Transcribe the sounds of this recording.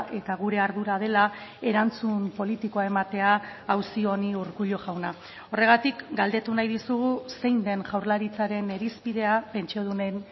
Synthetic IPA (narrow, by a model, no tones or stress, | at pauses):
ʔe̞t̪aɣ̞uɾe̞aɾðuɾað̞e̞lae̞ɾant͡sumpo̞lit̪ikoae̞mat̪e̞aːwsio̞niuɾkuʎo̞ʝawna | o̞re̞ɣ̞at̪ikɡald̪e̞t̪unajðisuɣ̞use̞jnd̪e̞nʝawɾlaɾit͡saɾe̞ne̞ɾispiðe̞ape̞nt͡ʃio̞ð̞une̞n